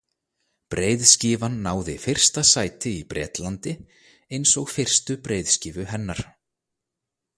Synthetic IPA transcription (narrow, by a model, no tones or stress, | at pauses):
pɾeːjðsciːvanːaːwðɪfɪr̥st̪asaːjt̪ɪipɾɛ̰ːt̪lant̪ɪ | ejnsɔɣfɪr̥st̪ʏpɾejðsciːvʏɦɛnːaɾ̥